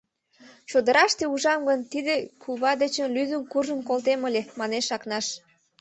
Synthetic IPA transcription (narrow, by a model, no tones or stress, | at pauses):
t͡ɕod̪əɾɑʃt̪euʒɑmɡənt̪id̪ekʰuβɑd̪ət͡ɕənlyzənkurʒənkolt̪eməlʲemɑneʃɑknɑʃ